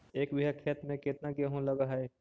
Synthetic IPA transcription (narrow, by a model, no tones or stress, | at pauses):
eːkbɪɦakʰeːt̪mẽkɪt̪naɡaɦũlɐɡaɦɛ